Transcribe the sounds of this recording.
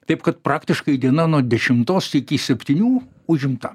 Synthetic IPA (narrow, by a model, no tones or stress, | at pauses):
t̪ɐɪpkɐt̪pɾɑːkt̪ʲɪʃkɐɪd̪ʲiɛnɐnuɔd̪ʲɛʃʲɪmt̪oːsɪkʲɪsʲɛpʲt̪ʲiːnʲuː | ʊʒʲɪmt̪ɐ